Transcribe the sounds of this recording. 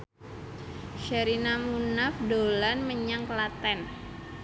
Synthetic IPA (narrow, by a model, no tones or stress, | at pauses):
ʃəɾinamunafdolanməɲaŋklat̪ɛn